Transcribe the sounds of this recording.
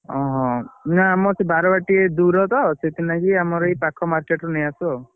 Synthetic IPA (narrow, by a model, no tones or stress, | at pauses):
ɔɦɔ̃naːmɔsebaɾɔbaʈied̪uɾɔt̪ɔset̪ʰinakiamɔɾɔipakʰɔmaɾkeʈɾunejasɔ